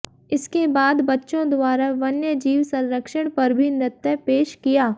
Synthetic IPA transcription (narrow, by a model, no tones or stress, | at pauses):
ɪskebaːd̪bɐtːʃõd̪ʊwaːɾaʋɐnjəd͡ʒiːwsɐ̃nɾəkʃəɽ̃pɐɾbʱinɪt̪ːəpeːʃkijaː